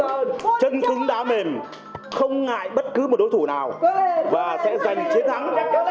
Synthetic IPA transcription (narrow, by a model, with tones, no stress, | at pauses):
t͡ɕə˧nt̪ɨ˨˦ŋɗaː˧me˨˩m | xə˧wŋ͡mŋa̰ː˧˨jɓə˦˥t̚kɨ˨˦mo˨˩t̚ɗo˨˦jt̪ʰu˧˩˨naː˨˩wvaː˨˩sɛ̰˧˥za˨˩jŋ̟t͡ɕi˨˦ənt̪ʰa˨˦ŋ